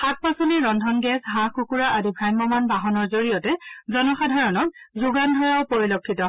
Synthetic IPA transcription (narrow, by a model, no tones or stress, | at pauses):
xat̚pasɔniɹɔndʱɔnɡɛsɦãxukuɹaʔadibʱɹajmɔmanbaɦɔnɔɹzoɹijɔtɛzɔnɔxadʱaɹɔnɔk̚zuɡandʱɔɹaʊpoɹilokʰːitɔ